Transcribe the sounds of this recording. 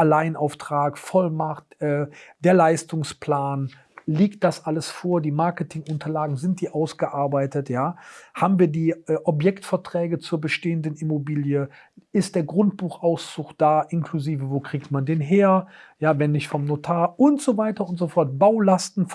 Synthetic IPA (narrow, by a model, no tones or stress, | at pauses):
ʔalaɪənʔaʊftʁ̥aːkfɔlmaχtʔɛːd̥eːɐlaɪstʊŋspl̥aːn | leːkt̚d̥asʔaləsfoːɐdiːmaɐkətʰɪŋʔʊntʰɐlaːɡŋ̩zɪnt̚d̥iːʔaʊsɡ̥əʔaɐbaɪtətʰjaːhaːbm̩viːɐdiːʔɛʔɔp̬jɛktfɛɐtʁ̥ɛːɡət͡suːɐbəʃteːəndənɪmobiːljə | ɪst̚d̥eːɐɡʁʊntb̥uːxʔaʊst͡sʊxd̥aːʔɪnkʰluziːvəvoːkʁ̥iːktmandeːnɦeːɐjaːvɛnːɪçtfɔmnotʰaːɐʊntz̥ovaɪtɐʊntz̥ofɔɐt̚b̥aʊlastn̩f